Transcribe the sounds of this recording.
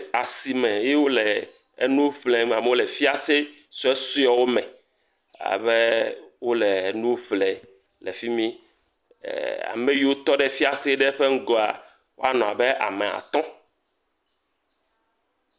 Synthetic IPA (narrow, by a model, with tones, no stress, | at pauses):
a˨si˨mɛ̃˨je˦wo˦lɛ˨ | e˨nũ˦ɸlɛ˨m˨a˨me˨wo˦lɛ˨fi˦a˨se˦ | sɔ˨ɛ˦su˦ɔ˨wo˦mɛ̃˨ | a̰˨βɛ˦wo˦lɛ˨nũ˦ɸlɛ˨ | lɛ̰˨fi˦mḭ̃˦˨ | a̰˨mẽ˦ji˦wo˦t̪ɔ˦ɖɛ˦fi˦a˨se˦ɖɛ˦ɸe˦ŋ̩˦ɡɔ˨a˨ | wo˦a˦nɔ̃˨a̰˨bɛ˦a̰˨mɛ˨a̰˨t̪ɔ̃˦